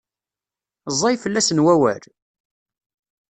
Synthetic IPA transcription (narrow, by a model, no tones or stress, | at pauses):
zˤːɑjfəlːæsənwæwæ̰ɾ